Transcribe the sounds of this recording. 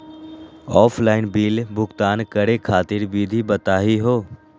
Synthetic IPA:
ɔːpʰlaːɪnbiːlbʊkt̪aːnkəɽekʰaːt̪ɪɾbiːd̪ʱibɐt̪aːɦiɦoː

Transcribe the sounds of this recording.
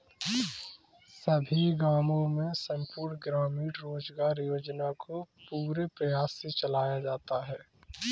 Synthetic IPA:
səbʱiɡaːmõmẽsə̃mpuːɾɳɡɾaːmiːɖɾoːd͡ʒɡaːɾjoːd͡ʒnakopuːɾepɾəjaːsːet͡ʃəlaːjad͡ʒaːt̪aɦɛː

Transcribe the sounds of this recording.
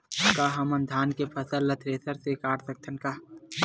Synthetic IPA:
kaːɦɐmɐnd̪ʱaːnkepʰɐsəlːɐt̪ʰɾeːsəɾsekaːʈsɐk̚t̪ʰɐnkaː

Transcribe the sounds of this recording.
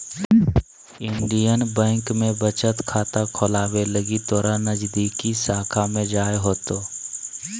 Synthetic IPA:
ɪɳɖijənbɛ̃ːŋkmẽbət͡ʃət̪kʰaːt̪akʰoːlaːweləɡit̪ɔːɾanːəd͡ʒd̪ikisaːkʰamẽd͡ʒaːeɦoːt̪oː

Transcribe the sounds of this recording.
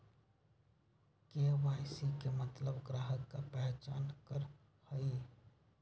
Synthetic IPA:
keʋajsikemət̪ləbɡɾaɦəkːapəɦt͡ʃa̰nkəɾ | həi

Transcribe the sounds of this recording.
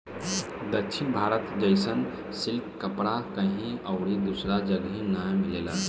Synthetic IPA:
d̪əkʃʰinbʱaɾət̪d͡ʒəjsən | silkkəpɽakəɦĩəwɽid̪usɾad͡ʒəɡɦĩnajmilela

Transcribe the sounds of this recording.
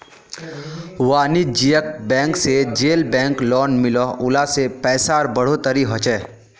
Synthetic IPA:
waːnid͡ʒijək̚bɛ̃ːŋksed͡ʒeːlbɛ̃ːŋklɔːnmɪlɔʊlasepɛːsaːɾbəɽ̤ot̪əɾiɦɔt͡ʃɛː

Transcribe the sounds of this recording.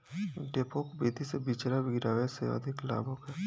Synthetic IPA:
ɖeːpokbeːt̪isebiːt͡ʃɾabɪɡɪɾaːʋesḛə̰d̪ʱɪkla̰ːbʱokɦɛː

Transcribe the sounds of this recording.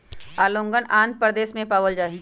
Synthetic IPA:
aːlõːŋɡənãːnd̪̚pɾəd̪eːsmẽpaːʋəld͡ʒaːɦi

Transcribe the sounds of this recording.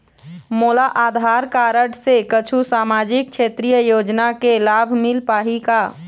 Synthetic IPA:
moːlaʔaːd̪ʱaɾkaːɾəʈsekət͡ʃʰusaːmad͡ʒik̚t͡ʃʰet̪ɾijəjoːd͡ʒnakelabʱmɪlpaːɦika

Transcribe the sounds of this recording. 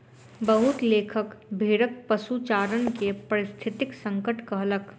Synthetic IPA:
bəɦʊt̪leːkʰəkbʱeːɽək̚pɐsut͡ʃaːɾənkepɐɾɪst̪ʰɪt̪ɪksə̃ŋkəʈkɐɦlək

